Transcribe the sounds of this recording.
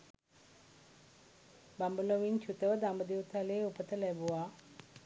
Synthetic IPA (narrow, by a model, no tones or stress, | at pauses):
bambuloʋint͡ʃʰut̪əʋəd̪ambəd̪iʋt̪ʰaleːupət̪əlɛbuʋaː